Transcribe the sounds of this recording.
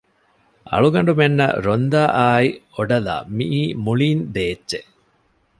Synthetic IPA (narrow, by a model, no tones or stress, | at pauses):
ʔɐ̰ɭuɡɐɳ̆ɖumenːɐ̰ɾond̪aːʔaːioɖɐla̰ːmiʔiːmuɭiːnd̪eːdːt͡ʃe